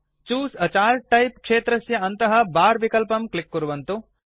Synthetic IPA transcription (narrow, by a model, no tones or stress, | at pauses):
t͡ʃuːsɐt͡ʃaːɾʈɐjp̚kʂeːt̪ɾɐsjɐɐnt̪ɐɦɐbaːɾʋikɐlpɐmklikːuɾuʋɐnt̪u